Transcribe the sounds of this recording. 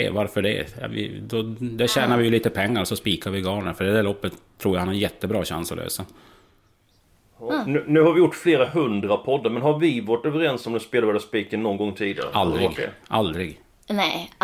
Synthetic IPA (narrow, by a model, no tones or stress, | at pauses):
ɛ̰vaɾfœɖɛ̰jɑ̰vɪ̰d̪ɔd̪æɕæːnaɾvɪjɵliːt̪əpʰɛŋːaɾɔsɔspiːkaɾvɪɡɑːɳəɾfœɖɛd̪æɭɔpːət̪ʰːɾuːɾjahanhaɾɛjɛt̪ːəbɾɑːɕa̰nsɔ̰lø̰ːsa | nːnʉ̟ːhaɾvɪjʊʈːfleːɾaɦɵnd̪ɾapʰɔd̪ːaɾmɛnɦaɾvɪvaʈøːvəɾɪɛnsɔmd̪ɛspeːlavɛɖ̪aspiːkənːɔnɡɔŋːt̪ʰiːd̪ɪɡaaɾ̰ald̪ɾɪɡʔa̰ld̪ɾɪɡ | nɛ